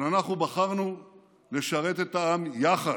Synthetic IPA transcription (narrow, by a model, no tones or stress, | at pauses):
nanaχnubaχaʁnu | le̞ʃaʁe̞t̪et̪aamjaχa